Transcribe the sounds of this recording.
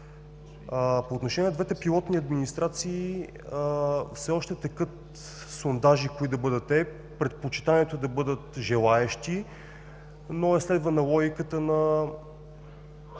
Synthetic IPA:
əpoːt̪noʃɛnʲiɛnɛd̪vɛt̪ɛpilˠɔt̪niɐd̪minist̪ɾat̪siː | əfsɛɔʃt̪ɛt̪ɛkɤt̪ | sond̪aʒikoid̪ɐbɤd̪ət̪ːɛ | pɾɛt̪̚pot͡ʃi̥t̪aniɛt̪od̪ɐbɤd̪ət̪ʒɛlˠaɛʃt̪i | noɛslɛd̪vənɐlˠɔɡʲikət̪ənɐ

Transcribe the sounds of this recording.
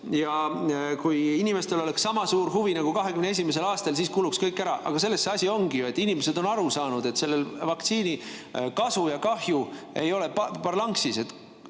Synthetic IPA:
jɑkujinime̞st̪e̞lo̞le̞ksːɑmɑsuːɾɦuvinɑɡ̥ukɑɦe̞kymnee̞simes̬e̞lɑːst̪ɑlsiːskuːlukskɤjkːˑæɾɑʔɑ̰ɡ̥ɑse̞lːe̞sːeɑsʲio̞ŋɡ̥ijoe̞t̪ːˑinimese̞d̪̥o̞nɑɾusɑːnud̪̥e̞t̪ːse̞lːelvɑkt̪siːni | kɑsujɑkɑhju | e̞jo̞le̞ppɑrlɑŋksise̞t̪ː

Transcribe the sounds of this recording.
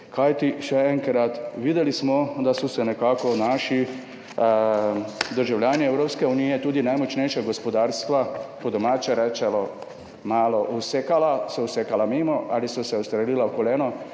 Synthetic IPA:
kajt̪iʃɛɛŋkɾat̪ʋiːd̪ɛlismɔd̪asɔsɛnɛkaːkɔnaʃi | d̪əɾʒawlʲjaːniɛwɾoːpskɛunijɛt̪uːd̪inajmɔt͡ʃnɛjʃaɡɔspɔd̪aːɾst̪ʋapɔd̪ɔmaːt͡ʃɛɾɛːt͡ʃɛlɔ | maːlɔʔusekalasɔusekalameːmɔʔalisɔsɛust̪ɾɛliːlawkɔlɛːnɔ

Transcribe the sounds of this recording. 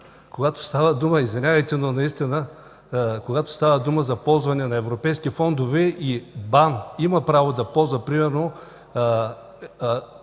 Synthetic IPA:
koɡat̪o̥st̪avəd̪uməizvɛnʲavɐjt̪ɛnonɐist̪inə | koɡat̪o̥st̪avəd̪uməzɐpɔlˠzvɐnɛnɐɛvɾopɛjskifɔnd̪ovɛʔibanimɐpɾavod̪ɐpɔlˠzvɐpɾimɛɾno

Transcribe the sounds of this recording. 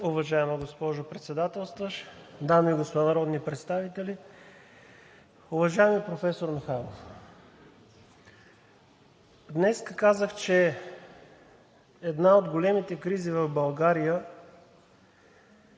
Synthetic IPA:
ʊvɐʒaɛməɡospɔʒopɾɛt̪sɛd̪at̪ɛlˠst̪vəʃd̪amiɡosp̪nɐɾɔd̪nipɾɛt̪st̪avit̪ɛli | ʊvɐʒaɛmipɾofɛsoɾmixalˠof | d̪nɛskəkazəxt͡ʃɛ | ɛd̪naod̪ɡolɛmit̪ɛkɾizivɐfbɐlˠɡaɾijə

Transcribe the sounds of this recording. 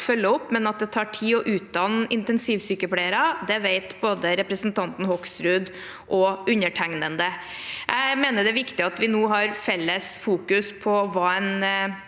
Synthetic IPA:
fœlːəɔpːmɛnɑt̪̚d̪ɛt̪ʰɑːʈʰiːɔʔʉːt̪̚d̪ɑnɪnt̪ɛnsiːʋsyːkəpʰɽæɪəɾɑd̪ɛʋeɪt̪boːd̪əɾɛpɾəsnt̪ʰɑnt̪n̩hɔksɾʉːd̪ | ʔɔʉnəʈʰæŋnənd̪əjʔæɪmeːnəɖɛæʋɪkt̪ɪɑt̪ʋɪnuːɦɑɾfɛlːəsfuːkʉspʰɔʋɑːɛn

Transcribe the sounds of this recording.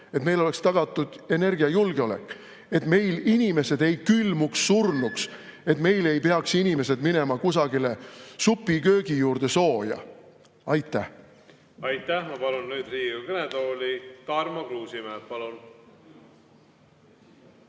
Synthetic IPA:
et̪mejlo̞le̞kst̪ɑɡ̥ɑt̪ːˑud̪̥e̞ne̞rɡ̥iɑjulɡ̥eo̞le̞̰kːˑ | e̞t̪me̞jlinʲime̞se̞d̪̥e̞jkylmuksːurnuks | e̞t̪me̞jle̞jpeɑksinime̞se̞d̪mine̞mɑkusɑɡile̞supːˑikø̞ːɡ̥ijuːrd̪̥e̞so̞ːjɑ̰ | ɑjt̪ːˑæh | ɑjt̪ːæhmɑpɑlunnyːd̪riːjukəned̪oːlit̪ɑrmɑkluːsimeːpɑlun

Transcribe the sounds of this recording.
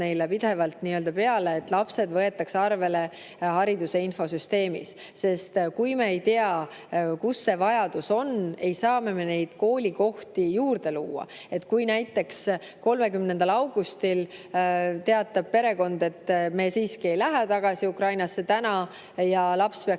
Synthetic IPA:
ne̞jlepid̪̥e̞vɑlt̪niøld̪̥ɑpe̞ɑleːt̪ːˑlɑpse̞d̪vɤe̞t̪ːˑɑksɑrve̞le̞ | hɑɾid̪useinfo̞syst̪e̞ːmḭsː | e̞st̪kujme̞ejt̪eɑ | kusːe̞vɑjɑd̪̥uso̞ne̞jsɑːme̞me̞ne̞jd̪̥ko̞ːlʲiko̞ht̪ijuːrd̪̥e̞luːɑ̰ | e̞t̪ːˑkujnæjt̪ːˑe̞ks | ko̞lme̞kymnend̪ɑlɑwɡ̥ust̪il | t̪e̞ɑt̪ːˑɑb̥̚pe̞ɾe̞ko̞nd̪̥e̞t̪ːme̞siːskie̞jlæɦet̪ɑɡ̥ɑsiukrɑjnɑsːe̞t̪ænɑ | jɑlɑpspeɑ

